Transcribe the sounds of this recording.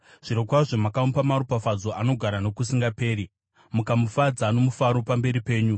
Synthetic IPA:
ʐ̥iɾokwaʐemakamupamaɾupafad͡zo̞ʔano̞ɡʱaɾano̞kusiŋɡape̞ːɾi | mukamufad͡zano̞mufaɾopambe̞ɾipe̞ːɲu

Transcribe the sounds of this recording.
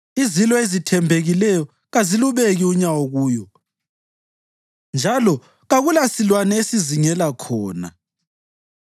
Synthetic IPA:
izilɔezitʰɛmbʱeɣilɛjɔ | ɣaziluβeɣiuɲawoɣuːjɔ | nd͡ʒʱalɔ | ɣaɣulasilwanɛesiziŋɛlakʰɔːna̰

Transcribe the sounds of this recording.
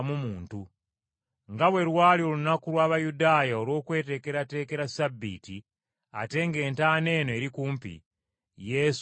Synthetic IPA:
mumuːntu | ŋɡaβwe̞ɾwaːliolunakulwaːβajudaːjao̞lwo̞ːkwe̞ːte̞ːke̞ɾate̞ːke̞ɾasabːḭːtḭ | a̰te̞ːŋɡe̞ːntaːne̞ːnoe̞ɾikuːmpḭ | jes

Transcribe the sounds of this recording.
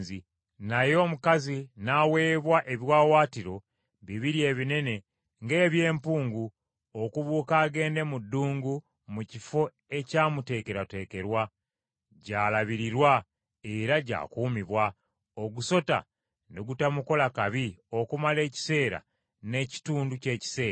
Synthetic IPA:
zi | najo̞ːmukazinawe̞ːβwaʔe̞βjwaːwaːtiɾo̞ | βiβiɾie̞ːβine̞ne̞ | ŋɡe̞ːβje̞ːmpuːŋɡu | okuβuːkaːɡe̞ːnde̞mudːuːŋɡu | mucifo̞ | e̞caːmute̞ːke̞ɾate̞ːke̞ɾwa | ɟaːlaβiɾiɾwa | e̞ɾaɟa̰ːkuːmiβwa | o̞ɡuso̞ta̰ | neɡutamuko̞lakaβio̞kumale̞ːci̥se̞ːɾa̰ | ne̞ci̥tuːnduce̞ːci̥se̞ːa

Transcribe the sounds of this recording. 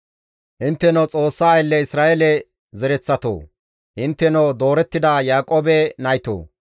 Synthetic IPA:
ʔɪnt̪ːɛnot͡sʼo̞ːsːaːjlːɛɪsɾaːʔɛlɛ | zɛɾɛt͡sːɐt̪o̰ː | ʔɪnt̪ːɛnowd̪o̞ːɾɛt̪ːɪd̪ajaːkʼoːbɛnɐjt̪o̰ː

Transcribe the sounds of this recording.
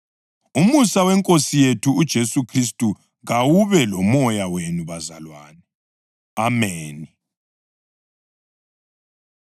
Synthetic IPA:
umusawɛŋkʼosijetʰuːd̥ʒ̥ʱesukʰris̬tʼu | ɣawuβɛlɔmɔjawenuβazalwaːnɛ | ameːni

